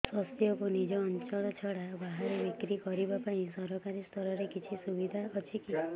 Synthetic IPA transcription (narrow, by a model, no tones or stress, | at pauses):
sɔst̪ʰjɔkunid͡ʒɔːnt͡ʃɔɭɔt͡ʃʰɔɽabaɦaɾebikɾikɔɾibapaĩsɔɾɔkaɾist̪ʰɔɾɔɾekit͡ʃʰisubid̪ʱaɔt͡ʃʰiki